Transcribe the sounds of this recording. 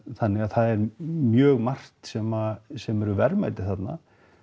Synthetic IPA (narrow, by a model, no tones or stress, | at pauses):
θanːɪɣaðθaðɛɾmjœːɣmar̥t̪sɛmasɛmɛɾʏvɛɾma̰jt̪ɪ̥θat̪na̰